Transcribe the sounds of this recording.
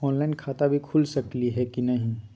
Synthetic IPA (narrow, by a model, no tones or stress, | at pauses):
ɔ̃ːnlaːɪnkʰaːt̪abʱikʰʊlsɐkliɦɛkinɐɦĩ